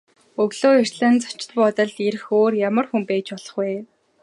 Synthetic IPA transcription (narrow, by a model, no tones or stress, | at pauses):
ɵɣɮoːir̥ʲɮăːnt͡sɔ̥t͡ɕɪ̥̆t̪̚pɔt̪ə̆ɮeɾɘ̆xoːrjamə̆rxumpæːt͡ɕpɔɮɞ̆χɡeː